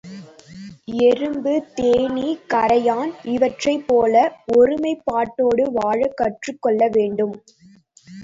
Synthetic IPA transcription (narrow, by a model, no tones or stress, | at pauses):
ɛɾɯmbɯt̪eːɳikɐɾɐjaːnɪʋɐʈrɐɪpːoːlɐɔɾɯmɐɪpːaːʈːoːɽɯʋaːɻɐkːɐʈrɯkːɔɭːɐʋeːɳɖɯm